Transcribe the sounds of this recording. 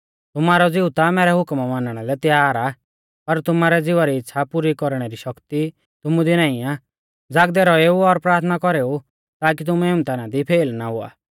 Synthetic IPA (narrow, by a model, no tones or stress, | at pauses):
t̪ʊmaːɾɔd͡zɪut̪amɛːɾɛɦʊkmʋãːnəɽ̃ɛlɛt̪jaːɾa | pɐɾt̪ʊmaːɾɛd͡zɪʋaɾiɪt̪ːʃʰapuɾikɔɾɽ̃ɛɾiʃɐkt̪i | t̪ʊmũd̪inaːĩa | d͡zaːɡ̚d̪ɛɾɔeːuɔɾpɾaːɾt̪ʰnakɔɾeːu | t̪aːk̬it̪̬ʊmueːũt̪ɛnad̪ipʰeːlnaɦʊa̰ː